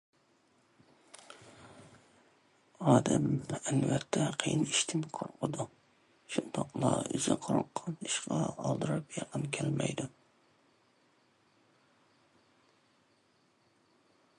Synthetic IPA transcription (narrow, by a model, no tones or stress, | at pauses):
ɑːd̪amænvæt̪ʰːæqʰijɪnɪʃt̪ʰɪmkʰʊ̰ɾqʰʊd̪ʊ | ʃʊnt̪ʰɑqlˠɑ̰ɪ̰zɪqʰʊɾɑqːɑnɪʃqɑɑlˠd̪ɨɾɑpjɑqʰɨnkʲʰælmæ̰jd̪ʊ